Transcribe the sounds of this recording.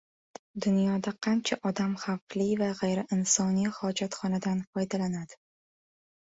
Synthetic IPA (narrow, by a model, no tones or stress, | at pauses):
d̪ʊnjɒd̪aqʰɑnt͡ʃʰaʔɒd̪amχaflivaʁejɾɪʔɪnsɒnijhɒd͡ʒat̪χɒnad̪anfɒjd̪alanad̪̥ɪ